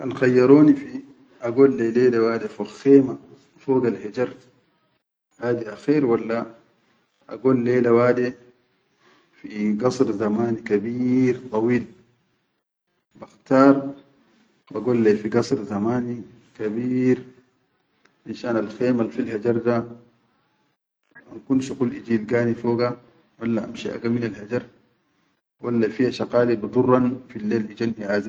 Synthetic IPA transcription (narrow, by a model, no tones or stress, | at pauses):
ʔalxajːɑɾˤoːnifi | ʔaɡoːlːeleːlawaːd̪ifoxeːma | foːɡalhed͡ʒɑɾˤ | haːd̪iʔaxeːɾwalːa | ʔa̰ɡoːlːeːlawaːd̪i | fiɡɑsˤɾzamaːnikabiːɾt̪ˤɑwiːl | baxt̪ɑːɾˤ | baɡoːlːefiɡɑsˤɾzamaːni | kabiːɾ | ʕinʃaːnalxeːmalfilhad͡ʒɑɾˤd̪a | ʔa̰nkunʃukulʔid͡ʒiːlɡaːnifoːɡa | walːaʔa̰mʃiʔa̰ɡaminalhad͡ʒɑɾˤ | walːafihaʃaqɑːlibd̪ˤurːɑnfilːeːlʔid͡ʒanhiʕaːzi